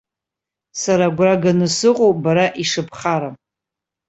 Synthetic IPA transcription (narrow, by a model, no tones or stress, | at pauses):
saɾaɡʷraɡanɨsɨqʼowbaɾaʔiʂɨpʰχaɾa